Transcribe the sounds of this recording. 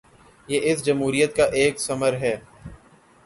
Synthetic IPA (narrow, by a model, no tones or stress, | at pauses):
jeːʔɪsd͡ʒɐmɦuːɾijət̪̚kaʔeːksɐməɾɦɛː